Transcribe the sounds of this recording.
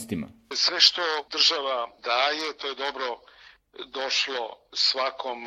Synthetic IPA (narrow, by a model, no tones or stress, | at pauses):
st̪ima̰sʋeʃt̪od̪r̩ʒaʋad̪aːje̞t̪oje̞d̪o̞bɾo | d̪oʃlosʋakʰom